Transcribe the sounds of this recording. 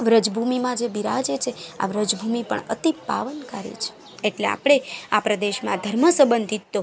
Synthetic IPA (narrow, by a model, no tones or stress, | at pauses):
ʋɾəd͡ʒbʱumimãd͡ʒebiɾad͡ʒet͡ʃʰea̰ʋɾəd͡ʒbʱumipə̰ɳə̰t̪ipa̰ʋənkaɾḭt͡ʃʰe̥ | eʈlea̰pɽ̃eapɾəd̪eʃmã̰d̪ʱəɾməsəbənd̪ʱit̪ːo